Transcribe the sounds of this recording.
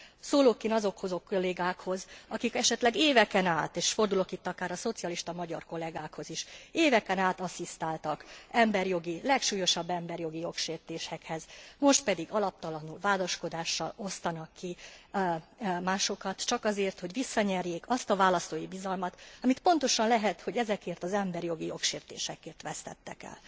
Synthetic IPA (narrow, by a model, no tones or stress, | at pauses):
soːloːkːeːnɒzo̞kho̞zo̞kːoleːɡaːkho̞zɒkikɛʃɛt̪lɛɡeːvɛkɛnaːt̪eːʃfo̞rd̪ulo̞kit̪ːɒkaːɾɒso̞t̪siɒliʃt̪ɒmɒɟɒ̰rko̞lɛɡaːkho̞ziʃeːvɛkɛnaːt̪ɒsist̪aːlt̪ɒkɛmbɛrjo̞ɡilɛkʃuːjo̞ʃɒbːɛmbɛrjo̞ɡijo̞kʃeːrt̪eːʃɛkhɛzmo̞ʃt̪̚pɛd̪iɡɒlɒp̚t̪ɒlɒnulvaːd̪oʃko̞d̪aːʃːɒ̰lo̞st̪ɒnɒkʰːi | maːʃo̞kɒt̪t͡ʃɒkɒzeːrt̪ho̞ɟʋisːɒɲɛrjeːkɒst̪ɒvaːlɒst̪oːjibizɒlmɒt̪ɒmit̪po̞nt̪o̞ʃɒnlɛɦɛt̪ho̞ɟɛzɛkeːrt̪ɒzɛmbɛrjo̞ɡijo̞kʃeːrt̪ḛːʃɛkeːrt̪ʋɛst̪ɛ̰t̪ːɛ̰kɛ̰l